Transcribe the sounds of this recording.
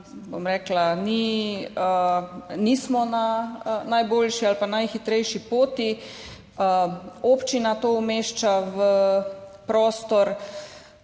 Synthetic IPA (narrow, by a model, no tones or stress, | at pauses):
bo̰mɾɛːklaniənismɔnanajboːlʃialpanajxit̪ɾɛjʃipoːt̪i | əoːpt͡ʃinat̪omeːʃt͡ʃaʋə | pɾoːst̪ɔɾ